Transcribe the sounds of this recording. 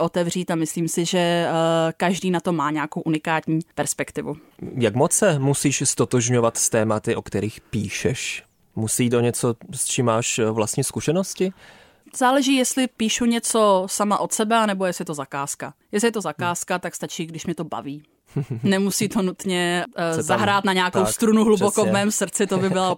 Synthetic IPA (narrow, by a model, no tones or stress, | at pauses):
ʔo̞t̪ɛvr̝iːt̪amɪsliːmsɪʒɛ | kaʒdiːnat̪o̞mːaːɲɛakowʔunɪkaːt̪ɲiːpɛɾspɛkt̪ɪvṵ | jakmot͡sɛmusiːʃst̪ot̪oʒɲovat̪st̪ɛːmat̪ɪʔokt̪ɛɾiːxpiːʃɛʃ | musiiːt̪oɲɛt͡sost͡ʃiːmːaːʃvlast̪ɲiːskuʃɛnoscɪ | z̥aːlɛʒiːjɛst̪lɪpiːʃuɲɛt͡so̞samaʔo̞t̪sɛbɛanɛbojɛslɪɛt̪ozakaːskajɛslɪjɛt̪o̞zakaːskat̪akst̪at͡ʃiːɡdɪʃmɲɛt̪o̞ba̰viː | nɛmusiːt̪onut̪ɲɛzaɦɾaːt̪naɲɛakowst̪ɾunuɦlubokomɛːmsr̩t͡sɪt̪obɪbɪla